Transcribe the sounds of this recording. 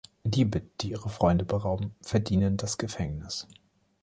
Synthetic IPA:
liːbəd̥iːʔiːʁəfʁ̥ɔʏndəbəʁaʊbm̩fɛɐdiːnəndasɡ̥əfɛŋnɪs

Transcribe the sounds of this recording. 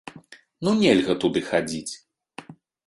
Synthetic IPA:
nunʲɛlʲɣɐt̪ud̪ɨxad͡zʲit͡sʲ

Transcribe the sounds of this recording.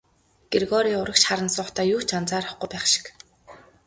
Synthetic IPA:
ɡ̥erɣɔːɾiːʊɾə̆kʃχaɾə̆nsʊːχʰt̪ʰaːjuːt͡ɕant͡saːɾʊχɡʊjpæːχʃɪ̥k

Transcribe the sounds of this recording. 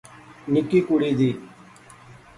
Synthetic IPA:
nɪkiːkuɽiːd̪iː

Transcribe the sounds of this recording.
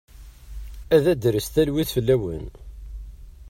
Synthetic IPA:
æðæd̪ɾəst̪ælwiθfəlːæwə̰n

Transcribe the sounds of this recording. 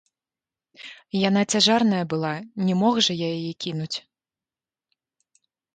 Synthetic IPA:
janat͡sʲaʐarnɐjɐbɨlˠanʲɛmɔɣʐɐjajajɛkʲinut͡sʲ

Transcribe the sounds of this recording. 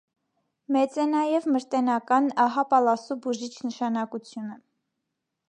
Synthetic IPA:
mɛt͡sɛnɑjɛvməɾt̪ɛnɑkɑnɑɦɑpɑlɑsubuʒit͡ʃʰnəʃɑnɑkut͡sʰjunə

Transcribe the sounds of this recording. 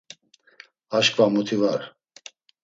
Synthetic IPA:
aʃkvamut̪ʰivaɾ

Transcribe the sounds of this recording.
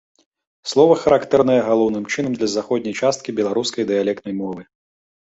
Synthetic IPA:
slˠɔvɐxɐɾakt̪ɛɾnɐjɛɣalˠɔwnɨmt͡ʂɨnɐmd̪lʲɐzaxɔd̪ʲnʲɐjt͡ʂast̪̚kʲibʲɛlˠaɾuskɐjd̪ɨjalʲɛkt̪nɐjmɔvɨ

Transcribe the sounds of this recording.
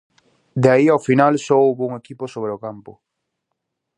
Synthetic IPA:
d̪eaiawfinalsɔowβouŋekipʊsoβɾeokampʊ

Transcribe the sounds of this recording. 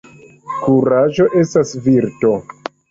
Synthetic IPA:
kuɾaʒo̞ʔe̞stasviɾto̞

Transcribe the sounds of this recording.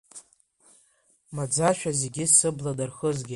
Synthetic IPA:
mad͡zaʃᶣaze̞ɡʲɪsɨbladarχəzɡʲɪ

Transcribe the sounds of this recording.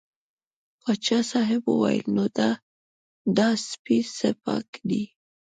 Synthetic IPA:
wat͡ʃasɑɦɪbo̰wa̰j̰lnot̪a | dɑspisəpɑ̰kd̪i

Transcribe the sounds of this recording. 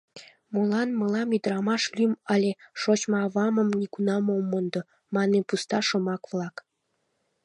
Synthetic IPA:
molɑnmɤlɑmyd̪əɾɑmɑʃlymɑlʲeʃot͡ɕmɑɑβɑməmnʲikunɑmomːond̪o | mɑnepust̪ɑʃomɑkvlɑk

